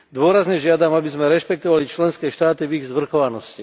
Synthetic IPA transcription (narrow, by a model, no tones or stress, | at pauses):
d̪ʊɔɾazɲɛʒɪad̪amabizmɛɾɛʃpɛk̚t̪ɔʋalit͡ʃlɛnskɛːʃt̪aːt̪iviɣzʋr̩xɔʋanɔsci